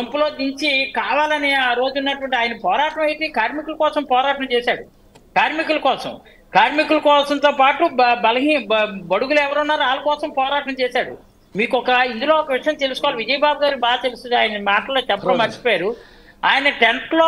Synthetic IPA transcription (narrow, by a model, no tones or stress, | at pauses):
ɐmpɐlo̞ːd̪iɲt͡ʃikaːʋaːlɐniaːɾo̞ːd͡ʒunːɐʈuʋɐɳʈiaːjɐnɐpɔːɾaːʈɐmɐjt̪eːkaːɾmikulɐkɔːsɐmpɔːɾaːʈɐmt͡ʃɛːsaːɽu | kaːɾmikulɐkɔːsɐ̰m | kaːɾmikulɐkɔːsɐnt̪oːpaːʈubɐlɐɦiːnɐbɐɽuɡuluɛʋɐɾunːaːɾuaːlɐkɔːsɐmpɔːɾaːʈɐmt͡ʃɛːsaːɽṵ | miːkɔkɐind̪uloːɔkɐʋiʂɐjɐmt̪elusukɔʋaliʋid͡ʒɐjbaːbuɡaːɾibaːd̪t̪elst̪und̪iaːjɐnɐmaːʈɐloːt͡ʃɛpɐɐmɐt͡ʃːi̥pɔːjaːɾu | aːjɐnɐʈeɳploː